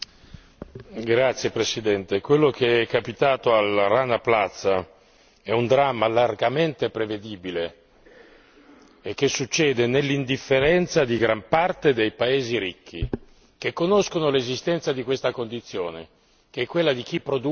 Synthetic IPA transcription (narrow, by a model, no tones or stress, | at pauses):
ɡɾat̪sːjepɾesid̪ɛnt̪ekwelːokeɛkːapit̪aːt̪oalaranaplat̪sːa | ɛund̪ɾamːalarɡament̪epɾeved̪iːbile | ek̟ːesːut͡ʃːɛːd̪enelːind̪ifːeɾɛnt̪sad̪iɡɾampart̪ed̪ejpaeːziɾik̟ːḭ | k̟ekːonoskonolezist̪ɛnt̪sad̪ikwest̪akond̪it̪sːjoːnḛ | keɛkːwelːad̪ik̟ipːɾod̪u